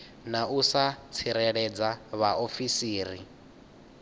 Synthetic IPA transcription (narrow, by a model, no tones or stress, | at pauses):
nausat͡sʰiɾɛɺɛd͡zaβaofisiːɾi